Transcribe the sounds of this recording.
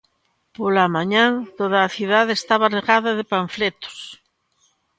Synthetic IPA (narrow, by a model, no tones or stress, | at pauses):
polamãɲãŋt̪oðaːθjuðaðest̪aβareɣaðaðepaɱflet̪o̥s